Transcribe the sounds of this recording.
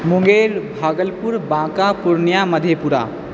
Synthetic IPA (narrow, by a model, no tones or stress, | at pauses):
muŋɡeɾbʱaɡəlpuɾbãkapuɾnijaməd̪ʱjepuɾa̰